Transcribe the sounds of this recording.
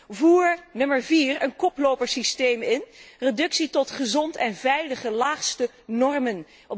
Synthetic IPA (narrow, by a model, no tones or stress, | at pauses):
vuːɹnɵməɹviːrənkɔplowpəɹsistejmɪnredɵksitɔtχəzɔntɛnvɛjləχəlaːχstə | nɔɹmən | ɔ